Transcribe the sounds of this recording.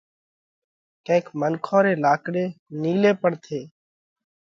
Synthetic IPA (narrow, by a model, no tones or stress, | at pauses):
kə̃ɪkmənkʰõːɾeːlaːkɽeːniːleːpəɽt̪ʰeː